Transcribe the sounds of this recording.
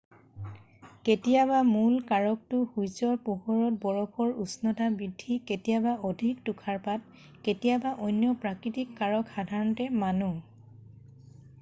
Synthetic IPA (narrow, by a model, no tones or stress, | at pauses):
ketijabamulkaɹɔk̚tʊxujsɔɹpuhɔɹɔt̚bɔɹɔpʰɔɹusnɔdʰʱabidʱːiketijabaʔɔdʱik̚tukʰaɹpat̚ | ketijabaʔojnjɔpɹakɹitikːaɹɔkxadʱaɹɔntɛmanu